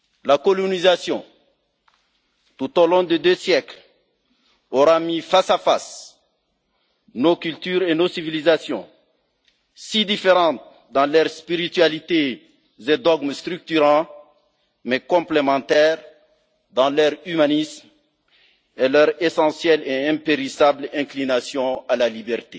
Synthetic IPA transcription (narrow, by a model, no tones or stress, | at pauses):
lakɔlɔnizasjɔ̃ | t̪ut̪olɔ̃d̪əd̪øsjɛkl | oʁamifasafa̰s | nokylt̪yʁenosivilizasjɔ̰̃ | sid̪ifeʁɑ̃t̪̚ | d̪ɑ̃lœʁspiʁit̪ɥalit̪e | zed̪ɔɡmst̪ʁyk̚t̪yʁɑ̃ | mɛkɔ̃plemɑ̃t̪ɛʁ | d̪ɑ̃lœʁymanism | ɛlœʁesɑ̃sjɛleɛ̃peʁisablɛ̃klinasjɔ̃alalibɛʁt̪e